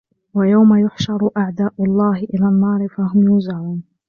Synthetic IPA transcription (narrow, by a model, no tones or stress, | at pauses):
wajawmajʊħʃɑɾˤʔaʕd̪aːʔʊlˤːɑːɦɪʔɪlaːnːɑːɾɪfaɦʊmjuːzaʕuːn